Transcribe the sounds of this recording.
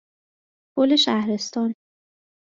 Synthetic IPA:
kʰoleʃæhɾe̞st̪ɒːn

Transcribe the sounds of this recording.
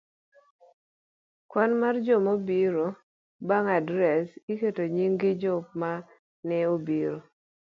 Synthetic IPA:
kwɔnmard͡ʒomobiɾo | baŋadɾɛsiketoɲiŋɡɪd͡ʒopma | nɛobiɾo

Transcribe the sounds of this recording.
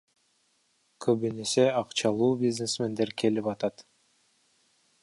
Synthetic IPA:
kʰøβynese̞ɑqt͡ʃɑlˠuːbʲiznesme̞nd̪e̞ɾkʰe̞lipɑt̪ɑt̪

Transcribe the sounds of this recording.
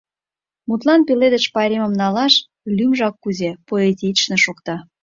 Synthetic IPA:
mut̪lɑnpeled̪ə̆ʃpɑɾʲemə̆mnɑlɑʃ | lʲymʒɑkːuzepoet̪ʲit͡ʃnĕʃokt̪ɑ

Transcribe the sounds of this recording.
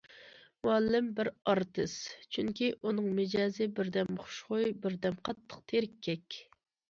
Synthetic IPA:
muɑlːɪmbɪɾɑɾt̪ʰɨst͡ʃʰyŋkʲiʔunɨŋmɪd͡ʒɑːzɨbɪɾd̪ɛmχʊ̥ʃχojbɪɾd̪ɛmqʰɑt̪ʰːə̥q̚t̪ʰeɾɪkʲʰːɛkʲ

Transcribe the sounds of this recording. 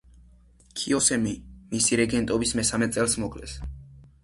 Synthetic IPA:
kʰiɔsɛmimisiɾɛɡɛnt̪ʼɔbismɛsamɛt̪sʼɛlˠsmɔkʰʼlɛ̰s

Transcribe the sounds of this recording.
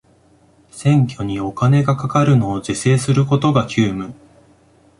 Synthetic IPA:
sẽ̞ŋkʲo̞ɲ̟io̞kane̞ɡakakaɾɯ̟no̞ːd͡ʑise̞ːsɨɾɯ̟ko̞t̪o̞ɡakʲʰɨːmɯ

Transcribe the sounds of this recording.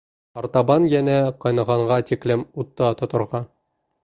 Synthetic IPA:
ɑɾt̪ɑbɑnjænæqɒ̆jnɤ̆ʁɑɴʁɑt̪iklɘmut̪ːɑt̪ŏt̪ŏɾʁɑ

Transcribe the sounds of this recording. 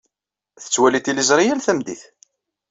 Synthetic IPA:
θə̥t͡sːwælit̪ilizˤɾˤijælθæmd̪iθ

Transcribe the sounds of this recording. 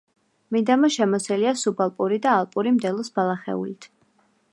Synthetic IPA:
mid̪amaʃɛmɔsɛliasubalˠpʼuɾid̪aːlˠpʼuɾimd̪ɛlˠɔsbalˠaχɛ̰ṵlit̪ʰ

